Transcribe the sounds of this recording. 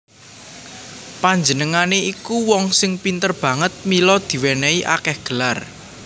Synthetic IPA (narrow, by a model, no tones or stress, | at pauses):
paɲd͡ʒənəŋaneikuwɔŋsɪŋpint̪ərb̥ä̤ŋət̪̚milɔd̪̥i̤wɛnɛiʔa̰kɛhɡ̥ə̤lar